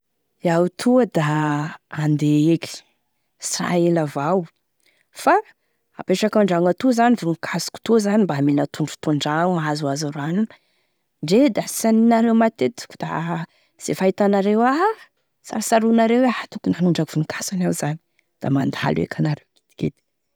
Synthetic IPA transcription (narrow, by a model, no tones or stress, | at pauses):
iawt̪ʰuəd̪aː | nd̪eeki̥ | sira̰elavaw | fa | a̰peʈ͡ʂakaɳɖ͡ʐaŋat̪uzanivunukʰasu̥ku̥t̪uzanimbaminət̪ʰuɳɖ͡ʐu̥t̪uɳɖ͡ʐaŋazuazaɾuaninə | ɳɖ͡ʐed̪asaninaɾewmat̪et̪i̥ku̥d̪̥a̰ | z̥efait̪anaɾewa | sa̰ɾasaɾunaɾewaat̪ukunanuɳɖ͡ʐakiv̥unukʰḁsanawzani̥ | d̪̥amand̪a̰lṵḛkʰanaɾewɡi̥t̪i̥ket̪i̥